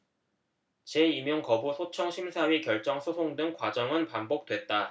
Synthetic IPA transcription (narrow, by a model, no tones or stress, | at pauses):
t͡ɕe̞imjʌŋkʌbusʰot͡ɕʰʌŋɕʰimsʰaɥikjʌɭt͡ɕ͈ʌŋsʰosʰoŋdɯŋkwad͡ʑʌŋɯnpambok̚t͈we̞t̚t͈a